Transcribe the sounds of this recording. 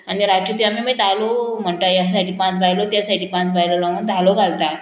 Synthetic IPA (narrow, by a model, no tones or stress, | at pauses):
añiɾat͡ɕut̪iamemit̪alom̤əɳt̪əjas̬aʈiːpãt͡sbʱajlot̪jasaʈʰiːpãnt͡sbʱajlolãŋɡunt̪aloɡʱalt̪a